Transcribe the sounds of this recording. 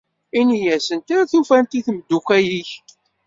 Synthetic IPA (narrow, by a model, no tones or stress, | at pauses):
inijæsənt̪aɾæθufænt̪iθməd̪ːukʷæjiç